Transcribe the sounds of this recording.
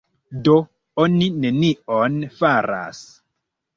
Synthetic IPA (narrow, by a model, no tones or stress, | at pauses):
do | onine̞nionfaɾa̰s